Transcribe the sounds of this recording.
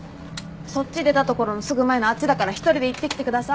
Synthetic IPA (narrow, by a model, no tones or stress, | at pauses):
so̞ɕid̪e̞t̪at̪o̞ko̞ɾo̞nosɨɡɯ̟mae̞noat͡ɕid̪akaɾaçi̥t̪o̞ɾʲid̪e̞it̪ːe̞kʲi̥t̪e̞kɯ̟d̪asa